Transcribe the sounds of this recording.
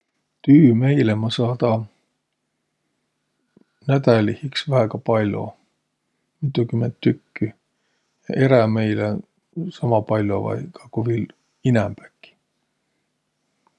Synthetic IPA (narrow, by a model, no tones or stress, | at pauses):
t̪yːme̞jlemɑsɑːt̪ɑ | næt̪ælihiksvæeɡ̥ɑpɑlʲo̞̰ | mit̪ːˑukymːent̪ːykːi | jɑ̰ʔe̞ɾæme̞jle | sɑmɑpɑlʲːo̰vɑ̰jkɑkuvil | inæmpæ̥kːi̥